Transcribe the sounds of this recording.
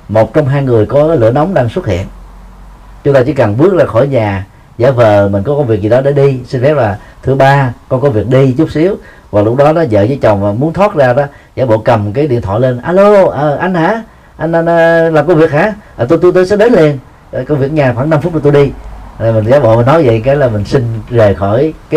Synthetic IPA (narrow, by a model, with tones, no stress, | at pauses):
mo˨˩t̚t͡ɕɔ˧wŋ͡mɦaː˧jŋɨ˨˩əjkɔ˨˦˨lɨ̰˧˨ənɔ˨˦wŋ͡mɗaː˧ŋswə˦˥t̚hḭ˧˨ən | t͡ɕʊ˦ŋ͡mt̪aː˧t͡ɕɨ˧˩˦kə˨˩nɓɨ˦˥ək̚laː˨˩xo˧˩˦jɲaː˨˩ | za̰ː˧˩vəː˨˩mi̟˨˩kɔ˨˦kɔ˧wŋ͡mvi˨˩əzi˨˩ɗɔ˨˦ɗe˧˩ɗi˧si˧n̟fɛ˦˥p̚laː˨˩t̪ʰɨ˨˦ɓaː˧kɔ˧nkɔ˧˦vi˨˩ək̚ɗi˧t͡ɕu˦˥k͡p̚si˨˦əw | vaː˨˩lʊ˦˥k͡p̚k̚ɗɔ˨˦nɔ˨˦zə̰ː˧˨zəː˨˦jt͡ɕə˨˩wŋ͡mmaː˨˩mu˨˦nt̪ʰwaː˦˥t̚zaː˧ɗɔ˨˦ | zaː˧˦ɓo̰˧˨kə˨˩mkaː˨˦jɗḭ˧˨nt̪ʰwɔ̰ː˧˩le˧nʔaː˧lo˧ʔəː˧˩ʔa˧jŋ̟haː˧˥ | ʔa˧nʔa˧nː˧laː˨˩mkə˧wvi˨˩ək̚haː˧˥˦ʔəː˨˩t̪o˧jt̪u˧t̪o˧jsɛ̰˧˥ɗe˨˦nli˧ən˨ | kə˧wvi˨˩ək̚ɲaː˨˩xwaː˧˩ŋna˧mft̚t͡ɕɔ˧˩t̪u˧jɗi˧aː˨˩mi˨˩ŋ̟zaː˨˦ɓo̰˧˨mi˨˩nɔ˨˦jvə̰˧˨jkaː˨˦jlaː˨˩mï˨˩ŋ̟sï˧ŋ̟ve˨˩xɔ˧˩jkː